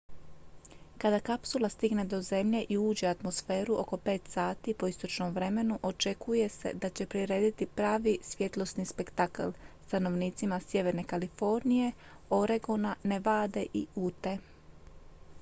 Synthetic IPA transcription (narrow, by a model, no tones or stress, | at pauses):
kad̪akapsulast̪iɡne̞d̪o̞ze̞mʎe̞ʔiuːd͡ʑe̞at̪mo̞sfeːɾuʔo̞ko̞pe̞ːt̪saːt̪ipo̞ist̪o̞t͡ʃno̞mʋɾe̞me̞nuʔo̞t͡ʃe̞kʰuje̞se̞̰d̪at͡ɕe̞pɾiɾe̞ːd̪it̪ipɾaːʋisʋje̞t̪lˠo̞snispe̞kt̪aka̰lst̪ano̞ʋniːt̪simasje̞ʋe̞ɾne̞kalifo̞ɾnije̞ | o̞ɾe̞ɡonane̞ʋaːd̪e̞ʔiuːt̪e̞